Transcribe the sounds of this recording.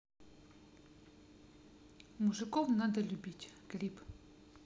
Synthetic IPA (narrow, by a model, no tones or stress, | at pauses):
muʐɨkɔwnad̪əlʲubʲitʲklʲip